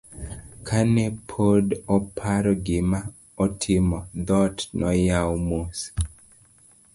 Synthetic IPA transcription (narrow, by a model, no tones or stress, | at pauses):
kʰanepʰodɔpʰaɾɔɡɪma | ɔtʰɪmɔd̪ɔtnɔjawmos